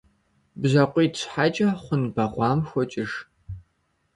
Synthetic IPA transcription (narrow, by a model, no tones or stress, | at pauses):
bzɐqʷʼiːtɕʷħat͡ʃʼɐχʷʊnbɐʁʷɑːmxʷɔt͡ʃʼɪʒ